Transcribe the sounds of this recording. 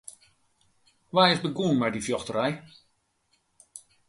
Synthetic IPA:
ʋaːɪzbəɡuːnmɛjdifjɔxtəɾɛj

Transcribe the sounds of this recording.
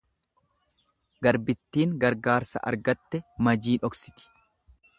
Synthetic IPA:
ɡɐɾbɪt̪ːiːŋɡɐɾɡaːɾsɐ̰ʔɐ̰ɾɡɐt̪ːɛmɐd͡ʒiːnɔksɪ̥t̪ɪ̥

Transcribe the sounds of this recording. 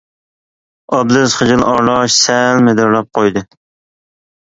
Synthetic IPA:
ɑblɨzχəd͡ʒɪlˠɑɾlˠɑʃsɛlmɪd̪ɪɾlˠɑp̚qʰojd̪ɨ

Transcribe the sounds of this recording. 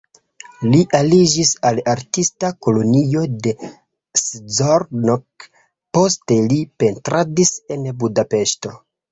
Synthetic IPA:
liʔalid͡ʒisalaɾtistako̞lo̞nio̞de̞ | szoɾnok | po̞ste̞lipe̞ntɾadise̞nbudape̞ʃto̞

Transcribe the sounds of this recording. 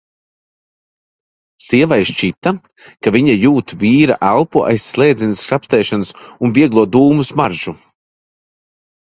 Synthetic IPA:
siɛvajʃt͡ʃit̪a | kaviɲajuːt̪viːɾa̰ʔælˠpuʔa̰jsːlˠɛːd̪zinskɾapst̪ɛːʃanusunviɛɡlˠuɔd̪uːmusmaɾʒ̥u

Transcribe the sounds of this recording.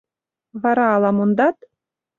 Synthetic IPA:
βɑɾɑːlˠɑmond̪ɑt̪

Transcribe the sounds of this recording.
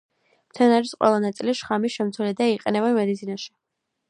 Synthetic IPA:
mt̪sʰɛnaɾisqʼwɛ̰lˠanat̪sʼiliʃχamisʃɛmt̪sʰwɛlɛd̪aiqʼɛnɛbamɛd̪it̪sʰinaʃi̥

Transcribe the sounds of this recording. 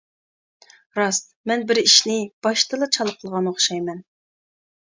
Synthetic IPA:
ɾɑst̪mɛnbɪɾiʃnɪb̥ɑʃt̪ɨlˠɨt͡ʃʰɑlˠqʰəlˠʁɑnoχʃɑjmɛn

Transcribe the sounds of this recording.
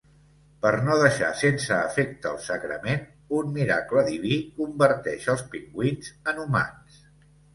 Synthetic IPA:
pəɾnoðəʃa̰sensəːfek̚t̪əːlˠsəɣɾə̰men | unmiɾa̰kləðiβikumbəɾt̪ɛʃəlˠspiŋɡwinzənuma̰ns

